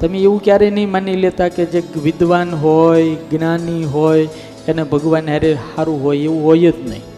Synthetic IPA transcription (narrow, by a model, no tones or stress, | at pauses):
t̪əmeeʋũkjaɾɛnəĩmanilet̪aked͡ʒeʋɪd̪ʋanɦojɡnaniɦoj | enebʱəɡʋanɦaɾehaɾũɦojeʋũɦojət̪nə̰ɦĩ